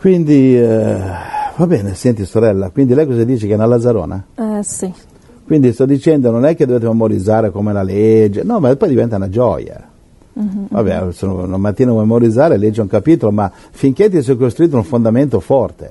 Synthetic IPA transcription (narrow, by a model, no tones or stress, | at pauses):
kwind̪i | vabɛːnesɛnt̪isoɾɛlːakwind̪ilɛjkɔzad̪iːt͡ʃekɛnalːazaɾo̰ːna̰ɛsi | kwind̪ist̪ɔd̪ːit͡ʃɛnd̪ononɛkːed̪oveːt̪̬ememoɾid̪zaːɾekomelaled͡ʒːenɔmapːɔjd̪ivɛnt̪aunad͡ʒɔ̰ja̰ | va̰bːɛ̰sono̰namat̪ːiːnavɔmjmemoɾid̪zaːɾeled͡ʒːeɛuŋkapiːt̪oloma | fiŋk̟et̪̬ːiɛs̬ɛkːost̪ɾuit̪̬ːouɱfond̪ament̪ofɔrt̪ḛ